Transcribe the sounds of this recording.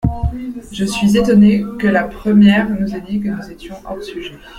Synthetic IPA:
ʒəsɥizet̪ɔnekəlapχəmjɛʁnuzed̪ik̬ənuzet̪jɔ̃ʔɔʁsyʒɛ

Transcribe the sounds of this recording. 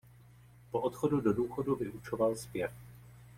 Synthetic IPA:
poʔot̪xo̞dudo̞duːxo̞duvɪʔut͡ʃo̞valspjɛf

